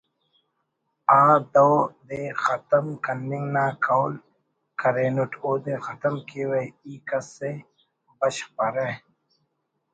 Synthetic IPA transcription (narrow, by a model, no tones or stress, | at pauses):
aːd̪ɐwd̪eːxɐt̪əmkɐnːiŋɡnaːkʰawl | kɐɾeːnuʈʰoːd̪eːxɐt̪əmkiwejiːkɐsːe | bɐɕpɐɾe